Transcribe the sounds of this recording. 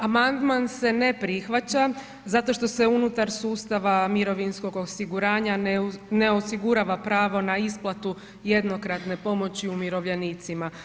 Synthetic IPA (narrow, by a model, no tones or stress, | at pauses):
amand̪manse̞ne̞pɾixʋat͡ɕa | zat̪o̞ʃt̪o̞se̞unut̪aɾsuːst̪aʋamiɾo̞ʋinsko̞ɡo̞siɡuɾaːɲanne̞osiɡuɾaʋapɾaːʋo̞naisplˠat̪u | je̞d̪no̞kɾat̪ne̞po̞mo̞t͡ɕiumiɾo̞ʋʎenit̪sima